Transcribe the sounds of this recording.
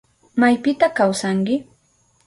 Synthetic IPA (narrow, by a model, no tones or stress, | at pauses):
majpɪt̪akawsaŋkɪ